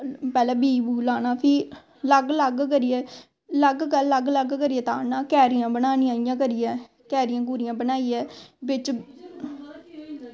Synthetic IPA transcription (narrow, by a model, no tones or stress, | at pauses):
pɛːlɛːbiːbuːlaːnaːpʰiː | ləɡləɡkəɾijɛː | ləɡkəlːəɡləɡkəɾiɛːt̪aːnaːkɛːɾɪjãːbənaːnĩːãːijãːk̬əɾijɛː | kɛːɾɪjãːɡuːɾɪjãːbənaːiːɛːʋɪt͡ʃ